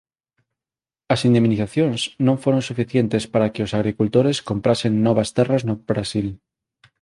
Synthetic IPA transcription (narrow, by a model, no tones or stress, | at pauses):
asind̪emniθaθjõnsnõɱfoɾonsufiθjent̪espaɾakeosaɣ̞ɾikult̪oɾeskompɾasenːoβ̞ast̪eraznobɾasil